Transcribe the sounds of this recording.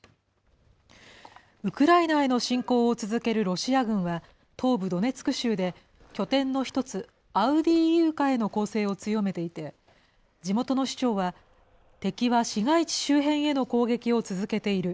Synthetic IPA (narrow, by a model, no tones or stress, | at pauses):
ɯ̟kɯ̟ɾainae̞no̞ɕĩŋko̞ːot͡sɨzɨke̞ɾɯ̟ɾo̞ɕiaɡɯ̟̃ɰ̃βa | t̪ʰo̞ːbɯ̟d̪o̞ne̞t͡sɨ̥kɯ̟ɕɨːd̪e̞ | kʲo̞t̪ẽ̞nːo̞çi̥t̪o̞t͡sɨ | aɯ̟d̪ʲiːjɯ̟ːkae̞no̞ko̞ːse̞ːo̞t͡sɨjo̞me̞t̪e̞it̪e̞ | d͡ʑimo̞t̪o̞no̞ɕi̥t͡ɕo̞ːβa | t̪e̞kʲiβaɕiɡait͡ɕi̥ɕɨːɦẽ̞ɰ̃e̞no̞ko̞ːɡe̞kʲio̞t͡sɨzɨke̞t̪e̞iɾɯ̟